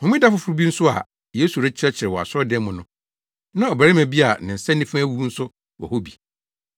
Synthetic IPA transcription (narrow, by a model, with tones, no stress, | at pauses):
hʊ̃˨mĩ˦da˦fʊ˦fʊ˦ɾʊ˦bi˦n̩˦sʊ˦a̰˨ | jeː˦su˨ɾɛ˦t͡ɕʰɪ˦ɾɛ˦t͡ɕʰɪ˨ɾɪ˨wɔ˨a̰˨sɔ˦dɛ̃˦mʊ̃˨nʊ̃˦ | nã˦ɔ˨bæ˨ɾɪ˦mæ˨bi˦a˨nɪ̃˨n̩˨sɛ̃˦nːĩ˦fʊ̃˦æ˦wu˦n̩˦sʊ˦ | wɔ̰˨ho˦bi˨